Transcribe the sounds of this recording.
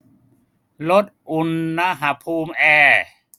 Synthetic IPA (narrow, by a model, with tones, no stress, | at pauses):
lo˦˥t̪̚ʔu˧nːa˧˥ɦa˧˥pʰuː˧mʔɛː˧˩